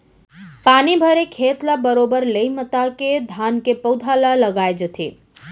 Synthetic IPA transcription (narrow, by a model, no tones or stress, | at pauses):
panibʱəɾekʰet̪ləbəɾobəɾleimət̪aked̪ʱankepəʊd̪ʱalələɡajd͡ʒət̪ʰḛ